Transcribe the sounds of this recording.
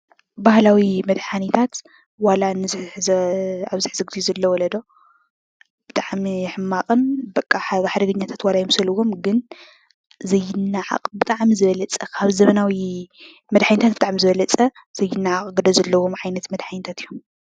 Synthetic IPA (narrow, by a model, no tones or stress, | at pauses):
bahlawimɐd̪ħanit̪ʰat̪ | walanɨzzaβzɨħzɨɡd̪izɐlːɐwɔlɐd̪o̞ | b̥ɨt̪ʼaʕmiħɨmːaqʼɨnbɐkʼːaħβaħd̪ɐɡɐɲːat̪ʰat̪walajɛmsɐlɨwo̞mɡɨn | zɐjːɪnːaʕa̰qʼbɨt̪ʼaʕmizɨβɐlɐt͡sʼɐkʰaβzɐmɐnawi | mɐd̪ħanit̪ʰat̪̚bɨt̪ʼaʕmizɨβɐlɐt͡sʼɐ | z̥ɐjːɪnːaʕaqʼɡɨd̪ɐzɐlːɐwo̞mʕajnɐt̪mɐd̪ħanit̪ʰat̪ijːom